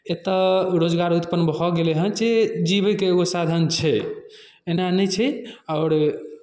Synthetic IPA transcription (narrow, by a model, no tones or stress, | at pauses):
et̪əɾod͡ʒɡaɾut̪pənbɔɡeleɦə̃nt͡ʃed͡ʒiβɛkeːɡosad̪ʱənt͡ʃʰɛ | enanɛt͡ʃʰɛɔʊɾ